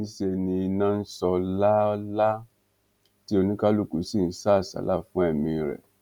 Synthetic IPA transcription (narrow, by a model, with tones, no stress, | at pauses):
sɛ˦˨nĩ˧i˧nã˦n̩˦sɔ˧la˦la˦ | ti˦o˧nĩ˦ka˦lu˦ku˨˦si˦˨n̩˦sa˦˨sa̰˨˦la˦˨fũ˨˦ɛ˦˨mĩ˧ɾɛ̰˨